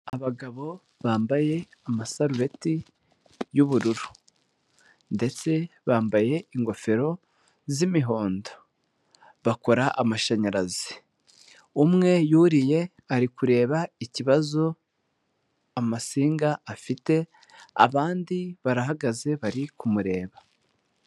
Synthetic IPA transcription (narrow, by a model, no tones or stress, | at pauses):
aβaɡaβo̞ | βaːmbaje̞amasaɾuɾe̞ti | juβuɾuɾu | nde̞t͡se̞βaːmbaje̞iŋɡo̞fe̞ɾo̞ | zimiɦo̞ːndo | βako̞ɾaʔamaʃaɲaɾazi̥ | umŋe̞juɾije̞ | aɾikuɾe̞ːβaiciβazo̞ | amasiːŋɡaːfite̞ | a̰βaːndiβaɾaɦaɡaze̞βaɾikumuɾe̞ːβa